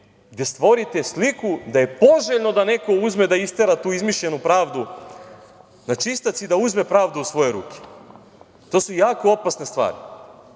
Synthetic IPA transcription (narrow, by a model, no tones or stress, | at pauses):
ɡd̪ʲe̞st̪ʋo̞ɾit̪eslikud̪aje̞po̞ʒeʎno̞d̪ane̞ko̞uzme̞d̪aist̪eɾat̪uːizmiʃʎe̞nupɾaːʋd̪u | nat͡ʃist̪at̪sid̪auzme̞pɾaːʋd̪uusʋo̞je̞ɾṵːkʰe̥ | t̪o̞ːsujaːkoopasne̞st̪ʋa̰ːɾḭ